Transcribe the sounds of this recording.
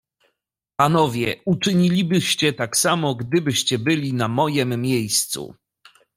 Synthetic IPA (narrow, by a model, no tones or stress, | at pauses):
panɔvʲjɛ̰ut͡ʂɘɲilʲibɘɕt͡ɕɛt̪aksamɔɡd̪ɘbɘɕt͡ɕɛbɘlʲinamɔjɛmːʲjejst̪sṵ